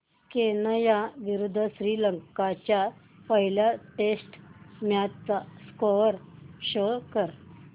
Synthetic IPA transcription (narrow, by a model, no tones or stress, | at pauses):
kenəjaʋiɾud̪ʱːəɕɾiləŋkkat͡ɕja | pəɦiljaʈesʈmjat̪t͡saskoɾɕəkəɾ